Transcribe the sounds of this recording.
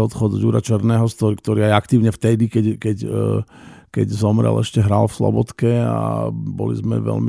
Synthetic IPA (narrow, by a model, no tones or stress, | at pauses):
ɔt̪xɔd̪juːɾat͡ʃɛɾnɛːɦɔt̪ɔkt̪ɔɾiːajakt̪iːʊɲɛft̪ɛd̪ikɛkɛc | kɛɟzɔmɾɛ̰lɛʃcɛɦɾaːlfslɔ̰bɔt̪kɛa̰bɔ̰lḭzmɛ̰ʋɛ̰lmi